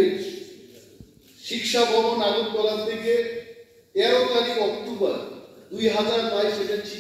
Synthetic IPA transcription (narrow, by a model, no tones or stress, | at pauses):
t͡ɕʰi | ʃikʃabʱɔbonaɡok̚d̪ɔlat̪ʰeke | ɛɾokaliɔkt̪obaɾd̪ujɦad͡ʑaɾbajʃeʈat͡ɕi